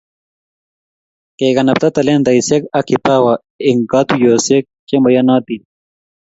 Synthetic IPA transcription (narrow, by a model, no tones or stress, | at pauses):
keːɡɐnɐb̚t̪ɐt̪ɐleːnd̪ɐjsekɐkʰipaːwa | iŋɡaːt̪ujoːsek̚t͡ɕemɐjɐnaːt̪i